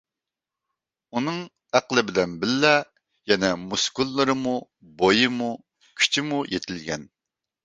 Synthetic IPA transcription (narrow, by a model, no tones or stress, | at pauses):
unɨŋ | æqlˠɪbɪd̪ɛnbɪlːɛ | jɛnɛmuskulˠːɨɾɨmu | bojɨmu | kʲʰy̥t͡ʃʰɪmujet̪ʰɪlɡʲɛ̰n